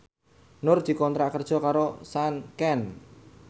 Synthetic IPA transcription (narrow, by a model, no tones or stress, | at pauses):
nʊrd̪̥i̤kɔnt̪ɾaʔkərd̥ʒ̥ɔ̤kaɾosankɛn